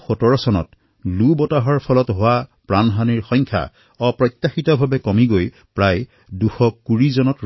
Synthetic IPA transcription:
xɔtɔɹɔsɔnɔ̰t | lubɔtaɦɔɹpʰɔlɔtɦowapɹanɦaniɹxɔjŋkʰa̰ | ɔpɹɔjt̪ːaxitɔbʱabɛkɔmiɡoj | pɹaj | duxɔkuɹizɔnɔt

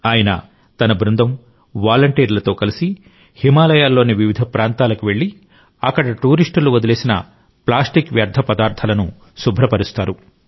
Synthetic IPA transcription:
aːjɐnɐ̰ | t̪ɐnɐbɾund̪ɐm | ʋaːlɐɳʈiːɾlɐt̪o̞ːkɐlisi | himaːlɐjaːlːo̞ːniʋiʋid̪ʱɐpɾaːnt̪aːlɐkuʋe̞ɭːi | ɐkːɐɽɐʈuːɾiʂʈuluʋɐd̪ɐle̞ːsinɐ̰ | plaːsʈikʋjaːɾd̪ʱːɐpɐd̪aːɾt̪ʰɐlɐnu | subʱɾɐpɐɾist̪aːɾu

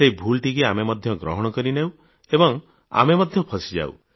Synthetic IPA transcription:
seibʱulʈikeamemɔd̪ʱjɔɡɾɔ̰ɦɔɽ̃ɔkɔɾinew | ebɔŋ | a̰memɔd̪ʱjɔpʰɔsid͡ʒa̰w̰

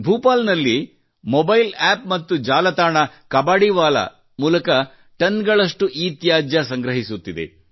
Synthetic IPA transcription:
bʱuːpaːlnɐlːi | mobɐjlaːp̚mɐt̪ːud͡ʒaːlɐt̪aːɳɐkɐbaːɽiʋaːlɐ̰ | muːlɐkɐ | ʈɐnɡɐɭɐʂʈuʔiːt̪jaːd͡ʒjɐsɐŋɡɾɐɦisut̪ːid̪e̞̰

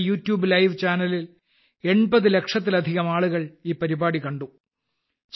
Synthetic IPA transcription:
juːtjuːblɐjʋt͡ɕaːnɐlil | e̞ɳbɐðɨle̞kʂɐt̪̬ːilɐd̪ʱiɣɐmaːɭuɣɐɭiːpːɐɾibaːɽikɐɳɖu | t͡ɕ

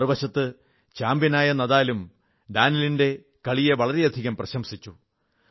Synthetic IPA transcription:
rɨʋɐɕɐt̪ːɨ | t͡ɕaːmbjɐnaːjɐnɐðaːlum | ɖaːnɐlinde̞ | kɐɭijɐʋɐɭɐɾe̞jɐd̪ʱiɣɐmprɐɕɐmsit͡ɕːu

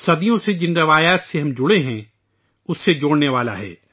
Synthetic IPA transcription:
sɐd̪ijõsed͡ʒɪnɾɐʋaːjaːt̪seɦɐmd͡ʒʊɽeɦɛ̃ | ʊsːed͡ʒoːɽneʋaːla̰ɦɛ̰ː

